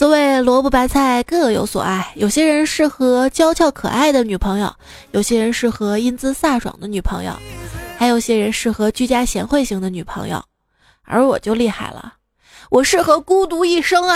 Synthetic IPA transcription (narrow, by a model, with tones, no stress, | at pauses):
sɔ˥we˥˩ɪlwɔ˧˥pu˥˩pa˧˥nt͡sʰa˥˧ɪkɤ˥˩jo˧˥ʊswɔ̰˨˩ʔa˥˩ɪjo˨˩ʊɕjɛ˥ɻə˧˥nʂɻ̩˥˩xɤ˧˥t͡ɕjɑ˥ʊt͡ɕʰjɑ˥˩ʊkʰɤ̰˨˩a˥˩ɪd̪ə˩ny˨˩pʰɤ˧˥ŋjo̰˥˧˩ʊ | jo˨˩ʊɕjɛ˥ɻə˧˥nʂɻ̩˥˩xɤ˧˥i˥nt͡sɹ̩˥sa˥˩ʈ͡ʂwɑ̰˨˩ŋd̪ə˦ny˨˩pʰɤ˧˥ŋjo̰˥˧ʊxa˧˥ɪjo˨˩ʊɕjɛ˥ɻə˧˥nʂɻ̩˥˩xɤ˧˥t͡ɕy˥˧t͡ɕja˥ɕjɛ̰˧˥nxwe˥˧ɪɕi˥˩ŋd̪ə˧˦ny˨˩pʰɤ˧˥ŋjo̰˥˧˩ʊ | ə̰˞˧˥wɔ˨˩t͡ɕjo˥˧ʊli˥˧xa˥˩ɪlə̰˩ | wʔɔ˨˩ʂɻ̩˥˩xɤ˧˥ku˥t̪u˧˥i˥˩ʂɤ˥ŋ˨